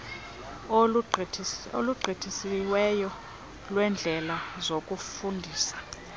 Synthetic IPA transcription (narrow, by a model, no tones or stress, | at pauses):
o̰luɡ͡ǀʱitʰisiwɛjɔ | lwɛnd͡ɮʱɛlazokʼufundʱiːsḁ